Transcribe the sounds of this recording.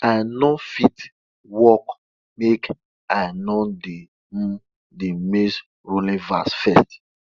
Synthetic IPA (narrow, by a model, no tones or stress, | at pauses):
anɔfit | wɔk | mek | anɔde | demes | ɹolĩvasfɛst